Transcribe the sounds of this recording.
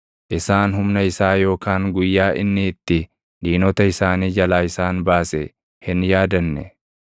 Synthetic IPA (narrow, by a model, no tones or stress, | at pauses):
ʔɪsaːnhʊmnɐɪsaːjo̞ːkaːŋɡʊjːaːʔɪ̰nːɪːt̪ːɪ | ᶑiːnɔt̪ɐɪsaːniːd͡ʒɐlaːɪsaːnbaːsɛ | hɪnjaːd̪ɐnːɛ